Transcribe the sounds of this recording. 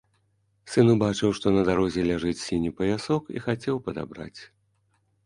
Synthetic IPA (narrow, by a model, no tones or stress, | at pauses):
sɨnubat͡ʂɨwʂt̪ɔnɐd̪aɾɔzʲɛlʲaʐɨt͡sʲsʲinʲipɐjʲasɔkḭxat͡sʲɛwpɐd̪a̰bɾa̰t͡sʲ